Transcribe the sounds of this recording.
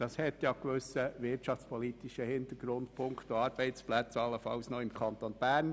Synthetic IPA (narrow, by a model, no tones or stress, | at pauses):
d̥ɑshɛt̪jɑkʋʏsəʋɪtʃɑft͡spʰɔlit̪iʃəhɪnt̪əɡ̥ɾʊndpʰʊŋkt̪oɑːɾb̥ɛɪt͡splæt͡sɑlːəfɑʊsnɔɪmkʰɑnt̪onb̥æːɾn